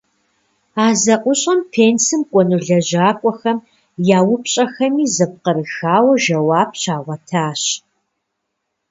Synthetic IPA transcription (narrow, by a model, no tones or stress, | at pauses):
aːzɐʔʷʊɕʼɐmpʰeːnsɨmkʷʼɔnuɮɐʑaːkʷʼɔxɐm | jaːwʊpɕʼɐxɐmiːzɐp̚qəɾɨxaːwɐʒɐwaːp̚ɕaːʁʷɐtʰaːɕ